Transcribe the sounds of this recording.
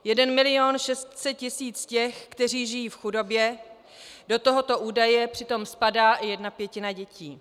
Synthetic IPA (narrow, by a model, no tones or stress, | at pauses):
jɛdɛnmɪlɪo̞nʃɛst̪sɛt̪̚cɪsiːt͡scɛxkt̪ɛr̝iːʒɪjiːfxudo̞bjɛ | do̞t̪o̞ɦo̞t̪o̞ʔuːdajɛpr̥ɪt̪o̞mspadaːʔɪjɛdnapjɛcɪnaɟɛciː